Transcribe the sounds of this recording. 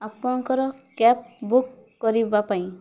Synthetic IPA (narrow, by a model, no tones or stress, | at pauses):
apnɔŋkɔɾɔkɛp̚bukː | ɔɾibapaĩ